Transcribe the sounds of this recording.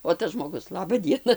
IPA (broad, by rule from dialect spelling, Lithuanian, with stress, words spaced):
oː ˈtɐs ʒmoːˈɡʊs ˈlˠɑːbɐ ˈdʲiɛnɐ